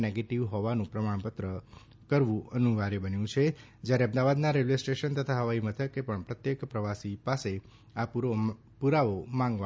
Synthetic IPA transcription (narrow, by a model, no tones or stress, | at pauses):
neɡeʈiʋɦɔʋanũpɾəmaɽ̃pət̪ɾə | kəɾʋũʔənũʋaɾebənjũt͡ʃʰed͡ʒjaɾeə̃md̪aʋad̪naɾelesʈeʃənt̪ət̪ʰaɦəʋaimət̪ʰəkːepəɳpɾət̪jekpɾəʋasipase | apuɾo | puɾaʋomãŋɡa